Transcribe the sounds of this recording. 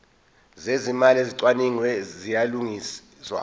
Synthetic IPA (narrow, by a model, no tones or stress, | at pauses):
zezimaleziǀwaniŋwɛzijaluŋi | swa̰